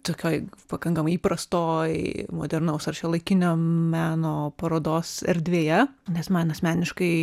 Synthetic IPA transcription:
t̪oːkʲoːjpɐkɐŋkɐmɐɪiːpɾɐst̪oːjmo̰ːd̪ʲɛɾnɐʊsɐɾt͡ʃʲɛlˠɐɪkʲɪnʲoːmʲæːnoːpɐɾoːd̪oːsɛ̰ɾʲd̪ʲʋʲeːjɛnʲɛsmɑnɐsʲmʲæːnʲɪʃkɐɪ

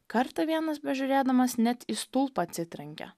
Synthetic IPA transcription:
kɐɾt̪ɐʋʲiɛnɐsbʲɛʒʲʊɾʲeːd̪ɐmɐsnʲɛt̪ist̪ʊlˠpɐːt̪ʲsʲɪt̪ʲɾʲɛŋʲkʲɛ̰

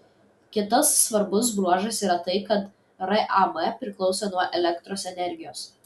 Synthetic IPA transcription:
kʲɪt̪ɐsːʋɐɾbʊs̬bɾuɔʒɐsiːɾɐt̪ɐɪkɐt̪ | ɾɐʔɑmɛpʲɾʲɪklˠɒʊsʲoːnuɔʔɛlʲɛkt̪ɾoːsɛnʲɛɾʲɡʲɪjoːs

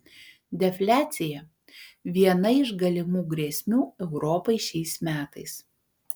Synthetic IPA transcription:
d̪ʲɛfʲlʲæːt̪sʲɪjɛ | ʋʲiɛnɐɪʒɡɐlʲɪmuːɡɾʲiɛsʲmʲuːɛʊɾɔːpɐɪʃʲɛɪsmʲæːt̪ɐɪs

